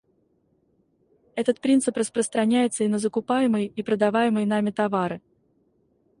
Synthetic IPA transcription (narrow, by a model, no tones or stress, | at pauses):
ɛt̪ət̪̚pɾʲinsɨprəspɾəst̪ɾɐnʲæjɪt̪səinəzəkʊpajɪməjipɾəd̪ɐvajɪməjnamʲɪt̪ɐvaɾɨ